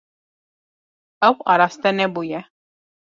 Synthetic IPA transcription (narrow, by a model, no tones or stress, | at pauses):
ɐwa̰ɾast̪ɛnɛbujɛ